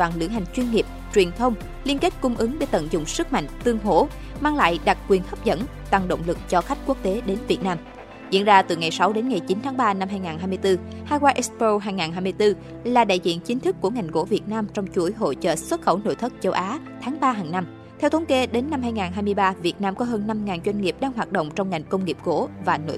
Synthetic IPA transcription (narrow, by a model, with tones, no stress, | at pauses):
aː˧˨˩nlɨ̰˧˩əŋɦa˨˩jŋ̟t͡ɕwi˧ənŋi˨˩p̚t͡ɕwi˨˩ənt̪ʰə˧wŋ͡m | li˧ənke˦˥t̚kʊ˧ŋ͡mʔɨ˨˦ŋɓe˧˩t̪ə̰˧˨nzʊ̰˧˨ŋ͡msɨ˦˥k̚ma̰˧˨jŋ̟t̪ɨ˧əŋɦo̰˧˩˨ | maː˧ŋla̰ː˧˨jɗa˨˩t̚kwi˨˩ənhə˦˥p̚zə̰˧˥n | t̪a˨˩ŋɗo̰˧˨wŋ͡mlɨ˨˩k̚t͡ɕɔ˧xa˦˥jk̟̚ku˦˥ək̚t̪e˨˦ɗe˨˦nvi˨˩ət̚naː˧m | zḭ˧˥ənzaː˧t̪ɨ˨˩ŋa˨˩jsa˨˦wɗe˨˦nŋa˨˩jt͡ɕi˨˦nt̪ʰːŋɓaː˧na˧mɦaː˧jŋaː˨˩nɦaː˧jmɨ˧jt̪ɨ˧ | haː˧kwaː˧ʔɛ˦˥spo˧ɦaː˧jŋaː˨˩nɦaː˧jmɨ˧əjt̪ɨ˧ | laː˨˩ɗa̰ː˧˨jzḭ˧˨ənt͡ɕï˨˦t̪ʰɨ˦˥kːu˧˩əŋa˨˩jŋ̟ko̰˧˥vi˨˩ət̚naː˧mt͡ɕɔ˧wŋ͡mt͡ɕu˧˩əjɦo̰˧˨t͡ɕə̰ː˧˨swə˦˥t̚xə˧˩wno̰˧˨jt̪ʰɨ˦˥k̚t͡ɕə˨˧˦wʔaː˨˦ | t̪ʰaː˨˦ŋɓaː˧ɦaː˨˩ŋna˧m | t̪ʰɛ˧wt̪ʰə˨˦nke˨˦ɗe˨˦nːa˧mɦaː˧jŋaː˨˩nɦaː˧jmɨ˧əjɓaː˧vi˨˩ət̚naː˧mkɔ˨˦ɦəː˧nːa˧mŋaː˨˩nzwa˧jŋ̟ŋi˨˩əp̚ɗaː˧ŋɦwaː˨˩t̚ɗo̰˧˨wŋ͡mt͡ɕɔ˧wŋ͡mŋa˨˩jŋ̟kə˧wŋ͡mŋi˨˩əp̚ko̰˧˥vaː˨˩no̰˧˨